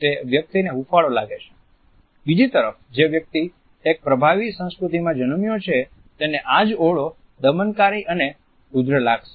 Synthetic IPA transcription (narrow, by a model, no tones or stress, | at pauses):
t̪eʋjək̚t̪ineɦufaɭolaɡet͡ʃʰe̥ | bid͡ʒit̪əɾəfd͡ʒeʋjək̚t̪i | ek̚pɾəbʱaʋisə̃w̃skɾut̪imãd͡ʒənəmjot͡ʃʰe | t̪eneʔad͡ʒoɭo | d̪əmənkaɾiʔəne | bud̪ɾəlaɡʃe̥